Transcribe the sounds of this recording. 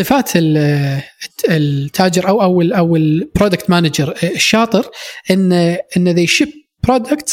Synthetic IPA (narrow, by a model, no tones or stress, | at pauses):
sˤɨfaːt̪ʰɪl | ɪt̪ʰːaːd͡ʒɪɾʔawʔawlʔawɪlb̥ɾoːd̪akt̪maːnad͡ʒɑɾɪʃːɑːt̪ˤɨɾʔɪnːʔɪnːðejʃɪb̚ | bɾoːd̪akt̪